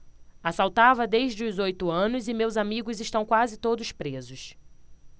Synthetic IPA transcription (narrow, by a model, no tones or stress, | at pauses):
asawt̪avɐd̪ejʒd͡ʒɪʊzojt̪ʊɐ̃nʊzɪmewzamiɡʊzɪʃt̪ɐ̃w̃kwazɪt̪od̪ʊspɾezʊs